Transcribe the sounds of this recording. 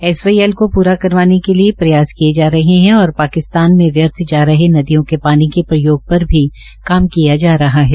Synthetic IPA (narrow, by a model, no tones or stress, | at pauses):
ɛːsʋaːiɛːlkopuːɾakɐɾʋaːnekeliepɾɐjaːzkied͡ʒaːɾɐɦeɦɛ̃ɔːɾpaːkɪst̪aːnmẽʋjɐɾt̪ʰd͡ʒaːɾɐɦenɐd̪ijõkepaːnikepɾɐjoːɡ̚pɐɾbʱi | kaːmkijad͡ʒaːɾɐɦaɦɛː